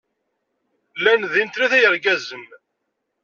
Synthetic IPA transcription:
lænðint̪ɾiθæjəɾɡæzəm

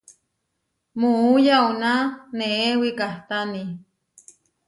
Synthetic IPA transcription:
muujaunaneewikaht̪ani

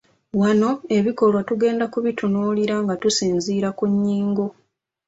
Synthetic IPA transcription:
wano̞e̞βiko̞lwatuɡe̞ːndakuβitʰunoːliɾaŋɡatusiːnziːɾakuɲːiːŋɡo

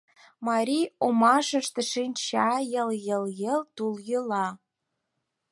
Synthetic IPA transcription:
mɑɾʲiomɑʃə̆ʃt̪ĕʃinʲt͡ɕɑjə̆ljə̆ljəlt̪uljəlɑ

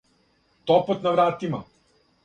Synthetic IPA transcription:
t̪ɔpɔt̪naʋɾaːt̪ima

